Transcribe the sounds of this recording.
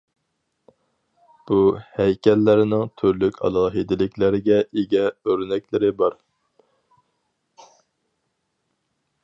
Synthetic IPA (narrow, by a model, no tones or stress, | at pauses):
b̥uhɛjkʲʰɛlːɪɾɪnɪŋt̪ʰyɾlykʲʰɑ̰lˠɑːɦid̪ɪlɪkʲlɪɾɪɡʲɛʔiɡʲɛøɾnɛkʲlɪɾɪbɑɾ